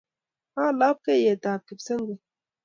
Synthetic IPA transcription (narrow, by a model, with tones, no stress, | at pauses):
hãː˦˨la˦p̚ke˦je˨t̪a˨ki˨psə˦ŋɡe˨